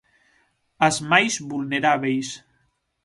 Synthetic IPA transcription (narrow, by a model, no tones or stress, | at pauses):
əzmajzβulneɾaβejs